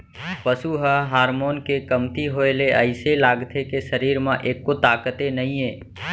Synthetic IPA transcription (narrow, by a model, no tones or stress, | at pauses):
pəsuɦəɦaːɾmoːnkekəmt̪iɦoːeleʔəɪselaːɡt̪ʰekesəɾiːɾmãʔeːkːot̪aːkət̪enɐɦĩẽː